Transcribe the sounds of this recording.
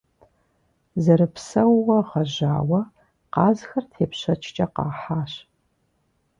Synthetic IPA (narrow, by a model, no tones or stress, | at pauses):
zɐɾɨpsɐwʁɐʁɐʒa̰ːwɐ | qɑːzxɐrtʰeːpɕɐt͡ʃʰt͡ʃʼɐqɑ̰ːħaːɕ